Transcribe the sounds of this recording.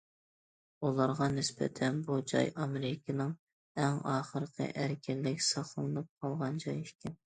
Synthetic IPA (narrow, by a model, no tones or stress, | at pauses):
ulˠɑɾʁɑnɪsbɛ̰t̪ʰɛnbud͡ʒɑ̰jɑmeɾɪkʲʰnɨŋ | ɛŋɑːχəɾqʰə̰ʔæɾkʲʰɪlːɪkʲsɑχlˠɨnnɨp̚qʰɑlˠʁɑnd͡ʒɑjekʲʰɪn